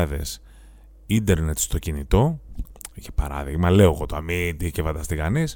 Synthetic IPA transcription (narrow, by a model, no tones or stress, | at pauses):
ɐðe̞̰s | ind̪e̞ɾne̞t̪st̪o̞cinit̪o̞ | ʝɐpɐɾɐ̰ðiɣmɐle̞o̞ɣo̞t̪oɐmid̪icefɐd̪ɐst̪ikɐnis